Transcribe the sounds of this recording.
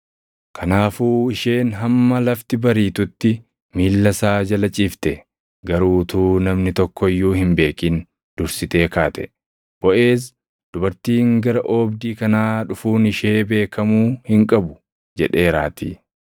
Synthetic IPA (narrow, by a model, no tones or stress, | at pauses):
kʰɐnaːfuːɪʃe̞ːnɦɐmːɐlɐft̪ɪbɐɾiːt̪ʊt̪ːɪ | miːlːɐsaːd͡ʒɐlɐt͡ʃʼiːft̪ɛ | ɡɐɾuːt̪uːnɐmnɪt̪ɔkːɔɪjːuːhɪmbe̞ːkiːn | d̪̥ʊɾsɪt̪e̞ːkaːt̪ɛ | b̥ɔʔe̞ːs̬ | d̪̥ʊbɐɾt̪iːŋɡɐɾɐʔoːbd̪iːkɐnaːᶑʊfuːnɪʃe̞ːbe̞ːkʰɐmuːhɪŋkʼɐbʊ | d͡ʒɛᶑe̞ːɾa̰ːt̪ḭː